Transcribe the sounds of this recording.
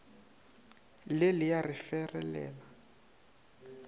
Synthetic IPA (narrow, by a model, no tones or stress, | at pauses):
lɪlɪjarɪfɛrɛ̰lɛ̰ːla